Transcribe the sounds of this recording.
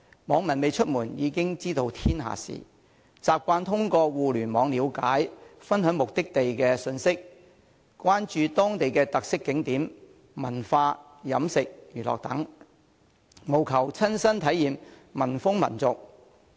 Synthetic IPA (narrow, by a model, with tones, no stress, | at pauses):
mɔː˨˧˥ŋmɐ˨˩nme˨jt͡ʃʰɵ˥t̚muː˨˩njiː˨˧kɪ˥ŋt͡siː˥t̪o˧wt̪ʰiː˥nɦa̰ː˨sḭː˨ | t͡saː˨p̚kʷaː˧nt̪ʰʊ˥ŋkɔː˧wuː˨lyː˨˩nmɔː˨˧ŋliː˨˧wkaː˨˥jfɐ˥nɦœː˨˥ŋmʊ˨k̚t̪ɪ˥k̚t̪e˨jkɛː˧sɵ˧nsɪ˥k̚ | kʷaː˥nt͡ʃyː˨˧t̪ɔː˥ŋt̪e˨jkɛː˧t̪ɐ˨k̚sɪ˥kːɪ˨˥ŋt̪iː˨˥m | mɐ˨˩nfaː˧ | jɐ˨˥msɪ˨k̚jyː˨˩lɔ̰ː˨k̚t̪ɐ˨˥ŋ | mo˨˩wkʰɐ˨˩wt͡sʰɐ˥nsɐ˥nt̪ʰɐ˨˥jːiː˨mmɐ˨˩nfʊ˥ŋmɐ̰˨˩nt͡sʊ˨k̚